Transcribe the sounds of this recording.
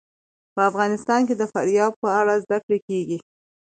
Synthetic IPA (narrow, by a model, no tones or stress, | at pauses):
pəafɣɑnɪst̪ɑnked̪əfaɾjɑd̪̚pəaɽazd̪akɽekeɡi